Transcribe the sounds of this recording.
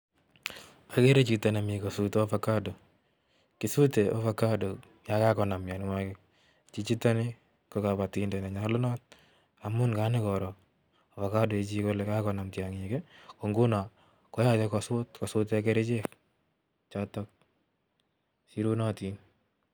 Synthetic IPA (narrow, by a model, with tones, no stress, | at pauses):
a˨ke˦ɾe˦t͡ʃita˨na˨mi˨ko˨suto˦fa˨ka˦do˨ | kisu˦te˨ʔo˦fakado˨ | ja˦kakɔ˨na˨mja˨nɪ˨makɪk̚ | t͡ʃi˦t͡ʃi˦ta˦nɪ˦ | koka˨pa˨tindɛ˨na˨ɲa˦lʊ˦nɔ˦t̚ | a˨mʊ˦nka˦nɪkɔɾɔ˨ | o˨fa˨ka˦do˨e˨t͡ʃi˦ko˦lɛka˦kɔ˨na˨mtja˨ŋekeko˨ŋɡu˦na˨ | kɔ˦ja˦te˦kɔsʊtkɔ˨sʊ˦te˦a˦ke˦ɾe˦t͡ʃe˦k | t͡ʃatɔk̚ | si˦ɾu˦na˦ti˦n